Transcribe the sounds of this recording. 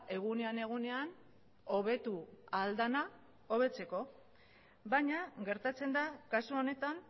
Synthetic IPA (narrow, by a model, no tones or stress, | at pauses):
e̞ɣ̞une̞ane̞ɣ̞une̞an | o̞βe̞t̪uald̪ana | o̞β̞e̞t͡se̞ko̞ | bajɲaɣe̞ɾt̪at͡se̞nd̪akasuo̞ne̞t̪an